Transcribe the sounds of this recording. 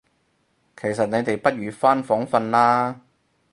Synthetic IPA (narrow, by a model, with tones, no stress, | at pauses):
kʰe˨˩jsɐ˨t̚ne˨˧jt̪e˨jpɐ˥t̚ɥyː˨˧faː˥nfɔː˨˥ŋfɐ˧nlaː˥